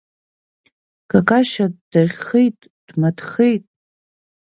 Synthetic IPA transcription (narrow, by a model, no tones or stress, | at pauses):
kʰakʼaʃadaχejtʼ | d̥madχejtʼ